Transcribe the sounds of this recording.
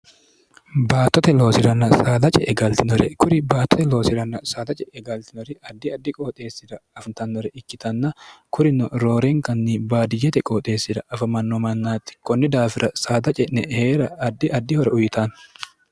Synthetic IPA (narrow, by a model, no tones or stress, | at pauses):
baːt̪ːɔt̪ɛlo̞ːsɪɾɐnːɐsaːd̪ɐt͡ʃʼɛʔɛɡɐlt̪ɪnɔɾɛ̰kʊɾɪbaːt̪ːɔt̪ɛlo̞ːsɪɾɐnːɐsaːd̪ɐt͡ʃʼɛɛɡɐlt̪ɪnɔɾɪɐd̪ːɪɐd̪ːɪkʼoːt̪ʼe̞ːsːɪd̪ɐɐfɐnt̪ɐnːɔɾɛʔɪkːɪt̪ɐnːɐkʰʊɾɪnɔɾo̞ːɾeŋkɐnːibaːd̪ɪd͡ʒɛt̪ɛkʼoːt̪ʼe̞ːsːɪd̪ɐʔɐfɐmɐnːɔmɐnːaːt̪ːɪ̥kɔnːɪd̪aːfɪɾɐsaːd̪ɐt͡ʃʼɛʔnɛheːɾɐːd̪ːɪʔɐd̪ːɪhɔɾɛʊjɪt̪aːn